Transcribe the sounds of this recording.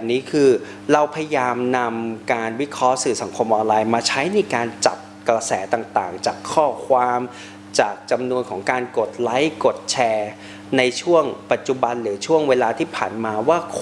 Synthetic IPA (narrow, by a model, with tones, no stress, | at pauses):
p̚niː˦˥kʰɯː˧ | ɾa˧wpʰa˧ja˧jaː˧mna˧mkaː˧nwi˦˥kʰɔ˦˥ʔsɯː˨˩sa˩˦ŋkʰo˧mʔɔː˧nlaː˧jmaː˧t͡ɕʰa˦˥jna˧jkaː˧nt͡ɕa̰˨˩p̚kɾa˧sɛ̰ː˩˦t̪aː˨˩ŋt̪a̰ː˨˩ŋt͡ɕaː˨˩kʰːɔː˥˩kʰwaː˧m | t͡ɕaː˨˩k̚t͡ɕa˧mnu˧ənkʰɔː˩˦ŋkaː˧nko˨˩t̪̚la˦˥jko˨˩t̪̚t͡ɕʰɛː˧ | na˧jt͡ɕʰu˥˩əŋpa˨˩t̪̚t͡ɕu˨˩ba˧nlɯː˩˦t͡ɕʰu˥˩əŋweː˧laː˧t̪ʰiː˥˩pʰaː˨˩nmaː˧waː˥˩kʰ